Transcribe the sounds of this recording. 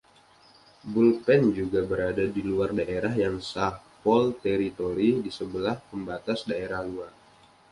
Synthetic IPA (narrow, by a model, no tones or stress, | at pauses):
bulpɛnd͡ʒuɡabəɾadadiluardaʔeɾaɦjaŋsahpɔlt̪eɾit̪oɾidisəbəlahpəmbat̪asdaeɾahluar